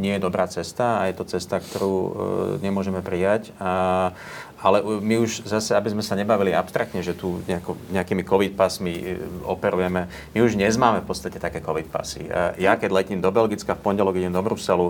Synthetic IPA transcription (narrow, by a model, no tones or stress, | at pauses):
ɲɪɛjɛd̪ɔbɾaːt͡sɛst̪aːjɛt̪ɔt͡sɛst̪akt̪ɔɾuːɲɛmʊɔʒɛmɛpɾijac | alɛʔumiuʒzasɛabizmɛsaɲɛbaʋiliapst̪ɾakt̪ɲɛʒɛt̪uɲɛakɔɲɛakiːmikɔʋit̪̚pasmiɔpɛɾujɛmɛ | miuʒɲɛzmaːmɛfpɔtt͡sst̪acɛt̪akɛːkɔʋit̪̚pa̰sḭjakɛɟlɛciːmd̪ɔbɛlɡit͡skafpɔɲɟɛlɔɡiɟɛmd̪ɔbɾusɛlu